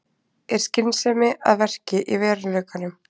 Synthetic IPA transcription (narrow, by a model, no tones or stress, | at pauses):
ɛɾ̥scɪnsɛːmɪa̰ðvɛr̥cɪʔivɛːɾɪnlœːkanʏm